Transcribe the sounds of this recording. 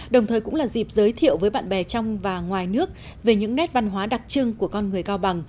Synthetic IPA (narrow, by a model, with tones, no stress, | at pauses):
ɗə˨˩wŋ͡mt̪ʰəː˨˩kʊ̰˧˥laː˨˩zi˨˩p̚zəː˨˦jt̪ʰḭ˧˨əwvəː˨˦jɓa̰ː˧˨nɓɛ˨˩t͡ɕɔ˧wŋ͡mvaː˨˩ŋwaː˨˩jnɨ˦˥ək̚ | ve˨˩ɲɨ̰˧˥ŋnɛ˦˥t̚va˧nɦwaː˨˦ɗa˨˩k̚t͡ɕɨ˧ŋku˧˩əkɔ˧nŋɨ˨˩əjkaː˧wɓa˨˩ŋ